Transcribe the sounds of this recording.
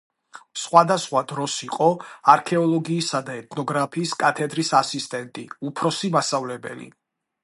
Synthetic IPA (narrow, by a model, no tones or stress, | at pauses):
sχwad̪asχwad̪ɾɔsiqʼɔaɾkʰɛɔlˠɔɡiːsad̪aɛt̪ʰnɔɡɾapʰiːskʼat̪ʰɛd̪ɾisasist̪ʼɛnt̪ʼḭupʰɾɔsimast̪avlɛbɛ̰lḭ